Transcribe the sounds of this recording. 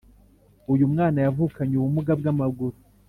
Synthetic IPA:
ujumŋaːnajavukaɲuβumuɡabɡamaɡuɾu

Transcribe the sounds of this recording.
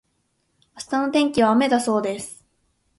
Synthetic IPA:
asɨ̥t̪ano̞t̪ẽ̞ŋkʲiβ̞aːme̞d̪aso̞ːd̪e̞sɨ̥

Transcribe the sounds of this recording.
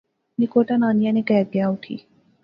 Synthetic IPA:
nɪkoːʈanaːnijanekɛːd̪ɪjaʊʈʰḭː

